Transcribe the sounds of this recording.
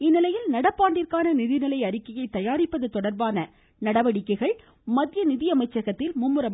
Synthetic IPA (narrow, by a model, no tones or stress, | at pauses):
ɪnːɪlɐjɪlnɐɽɐpːaːɳɖɪrkaːnɐnɪðɪnɪlɐɪɐɾɪkːɐjɐɪt̪ːɐjaːɾɪpːɐðɐt̪ːɔɽɐɾbaːnɐ | nɐɽɐʋɐɽɪkːɐɪɣɐɭ | mɐðɪjɐnɪðɪjɐmɐɪt͡ʃːɐɣɐt̪ːɪlmʊmːɯɾɐm